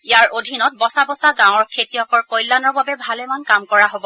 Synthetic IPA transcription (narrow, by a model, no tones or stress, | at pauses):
ijaɹʔodʱinɔt̚bɔsabɔsaɡãwɔɹkʰetijɔkɔɹkojlːanɔɹbabɛbʱalɛmankamkɔɹaɦobɔ